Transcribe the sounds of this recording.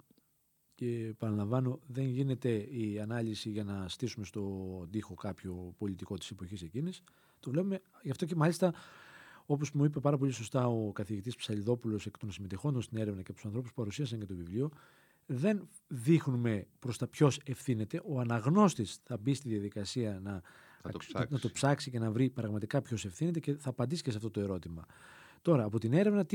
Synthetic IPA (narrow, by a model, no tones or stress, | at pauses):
ce̞pɐnɐlɐɱvɐno̞ðe̞nʝine̞t̪e̞iɐnɐlisiʝɐnɐst̪isume̞st̪o̞d̪ixo̞kɐpço̞po̞lit̪iko̞t̪i̥sepo̞çise̞cinis | t̪o̞vle̞pume̞ʝɐft̪oc̬e̞mɐlist̪ɐ | o̞p̬o̞smuip̬epɐɾɐp̬o̞liso̞st̪ɐo̞kɐθiʝit̪̬ispsɐliðo̞pulo̞sekt̪onsime̞t̪exo̞nd̪ost̪ine̞ɾe̞vnɐcept̪usɐnθɾo̞puspupɐɾusiɐsɐɲcet̪o̞vivlio̞ | ðe̞n | ðixnume̞pɾo̞st̪ɐpço̞se̞fθine̞t̪e̞ʔo̞ɐnɐɣno̞st̪isθɐbist̪iðjɐðikɐsiɐnɐ | nɐt̪o̞psɐksice̞nɐvɾipɾɐɣmɐt̪ikɐpço̞se̞fθine̞t̪ece̞θɐːpɐnd̪isi̥cesɐft̪ot̪o̞e̞ɾo̞t̪imɐ | t̪o̞ɾɐːpo̞t̪ine̞ɾevnɐt̪